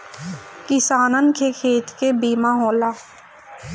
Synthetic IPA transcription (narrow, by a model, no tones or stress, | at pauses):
kɪsaːnənkʰekʰeːt̪kebiːmaɦoːlaː